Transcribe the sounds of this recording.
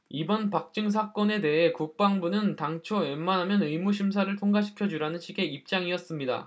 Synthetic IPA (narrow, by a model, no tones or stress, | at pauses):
ibʌnpak̚t͡ɕ͈ɯŋs̬ʰak͈ʌne̞de̞ɦe̞kuk̚p͈aŋbunɯntaŋt͡ɕʰoemːanɦamjʌnɯjmuɕʰims̬ʰaɾɯɭtʰoŋɡaɕʰi̥kʰjʌd͡ʑuɾanɯnɕʰiɡe̞ip̚t͡ɕ͈aŋiʌs͈ɯmɲida̰